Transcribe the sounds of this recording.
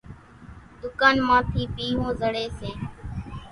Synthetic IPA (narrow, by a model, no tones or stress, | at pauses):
d̪ʊkaːnmãːt̪ʰiːpiːɦõːzəɽeːseː